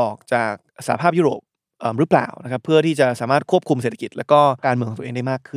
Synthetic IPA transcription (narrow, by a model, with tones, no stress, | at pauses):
ʔɔː˨˩k̚t͡ɕaː˨˩k̚sa̰˧˩a˦pʰaː˥˩pju˥˩ɾo̰ː˨˩p̚ | ʔəː˨˩mɾɯ˦˥pla̰ː˨˩wna˦˥kʰa˦˥pʰːɯ˥˩ɐt̪ʰiː˥˩t͡ɕa˨˩saː˩˦maː˥˩t̪̚kʰu˥˩əp̚kʰu˧mse˨˩t̪ʰḁ˧˩ki˨˩t̪̚lɛː˦˥wkɔː˥˩kaː˧nmɯ˧kʰːt̪ːʔeː˧ŋda˥jmaː˥˩kʰːɯ˥˩